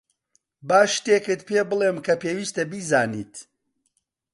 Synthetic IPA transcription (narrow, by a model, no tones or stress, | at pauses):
baːʃt̪ekɨt̪̚peːbɨleːmkʰɐpeːwiːst̪ɐbiːzaːnḭːt̪